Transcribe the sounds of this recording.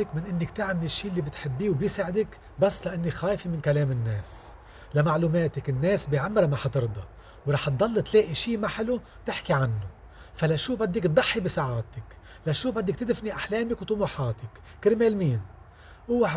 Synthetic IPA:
ɪkmɪnʔɪnːɪkt̪ɪʕmɪlɪʃːiːlːiːbɪt̪ħɪbːiːwbjɪsaʕɪd̪ɪk | basːlaʔanːixaːjfimɪnkaleːmɪnːeːs | lamaʕluːmeːt̪ɪkɪnːeːsbiʕamːɾamaħat̪ɨɾd̪ˤɑ | wɾˤɑːħt̪̚d̪ˤɑlːt̪leːʔiʃiːmaħɪlu | t̪ɪħkiʕanːʊ | falaʃuːbad̪ːɪkt̪̚d̪ˤɑħːibisaʕaːt̪ɪk | laʃuːbad̪ːɪkt̪ɪd̪ɪfniʔaħleːmɪkwt̪ˤʊmuħɑːt̪ɪkːɪɾmeːlmiːn | ʔuːwaħ

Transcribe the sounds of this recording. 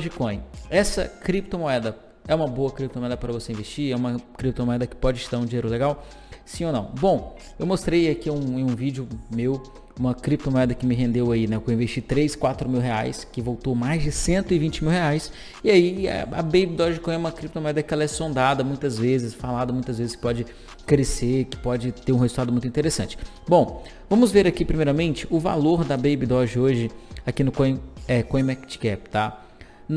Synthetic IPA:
d͡ʒikõj̃ɛsɐ̰kɾip̚t̪omoɛd̪ɐ | ɛũmɐboɐkɾip̚t̪omoɛd̪ɐpɐɾɐvoseĩvest͡ʃiɾɛũmɐkɾip̚t̪omoɛd̪ɐkɪ̥pɔd͡ʒɪʃst̪aɾũd͡ʒieɾʊleɡaw | sĩonɐ̃w̃bõw̃ | ewmost̪ɾejakiũẽj̃ũvid͡ʒʊmew | ũmɐkɾip̚t̪omoɛd̪ɐkɪmɪɦẽnd̪ewainɛkewĩveʃt͡ʃit̪ɾejskwat̪ɾʊmiwɦea̰jskɪvowt̪owmajzd͡ʒɪsẽnt̪ʊɪvĩnt͡ʃɪmiwɦeajs | ɪaḭɐ̰bejbid̪ɔʒɪkõj̃ɛũmɐkɾip̚t̪omoɛd̪ɐkɪɛlɐɛsõnd̪ad̪ɐmũj̃t̪ɐzvezɪsfalad̪ɐmũj̃t̪ɐzvezɪskɪ̥pɔd͡ʒɪ | kɾeseɾkɪ̥pɔd͡ʒɪt̪eɾũɦezuwˠt̪ad̪ʊmũj̃t̪ĩt̪eɾesɐ̃nt͡ʃɪ̥ | bõw̃ | vɐ̃mʊzveɾakipɾimejɾɐmẽnt͡ʃɪ̥ʊva̰loɾd̪ɐbejbid̪ɔʒɪoʒɪakinʊkõj̃ɛkõj̃mɛkt͡ʃkɛpt̪a | n

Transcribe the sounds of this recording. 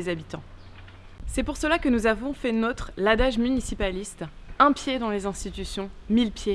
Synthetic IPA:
ezabit̪ɑ̃ | sɛpuʁsəlakənuzavɔ̃fɛnot̪χlad̪aʒmynisipalist̪ɛ̃pjed̪ɑ̃lezɛ̃st̪it̪ysjɔ̃milpje

